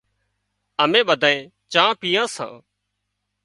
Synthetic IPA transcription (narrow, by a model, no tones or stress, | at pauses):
əmẽːɓəd̪ʱãːẽː | t͡ʃãːpiːjãːsã̰ː